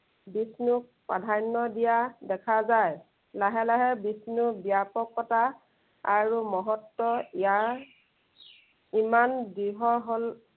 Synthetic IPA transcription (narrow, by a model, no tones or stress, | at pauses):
bisnuk̚ | padʱajnːɔdijadɛkʰazaj | laɦɛlaɦɛbisnubijapɔkːɔta | aɹumɔɦɔtːɔijaɹ | imandiɦɔɦol